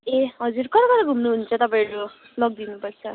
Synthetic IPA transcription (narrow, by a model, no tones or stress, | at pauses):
eɦʌd͡zuɾkʌɾʌkʌɾʌɡʱumnuɦunt͡sʰʌt̪ʌpãɾu | lʌɡ̚d̪inupʌɾt͡sʰʌ